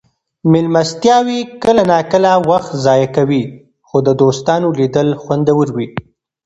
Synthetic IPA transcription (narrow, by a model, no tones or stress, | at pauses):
mɪlmast̪jɑwikəlanɑkəlawaxt̪zɑjakawi | xod̪əd̪ost̪ɑnolid̪əlxwand̪awəɾwi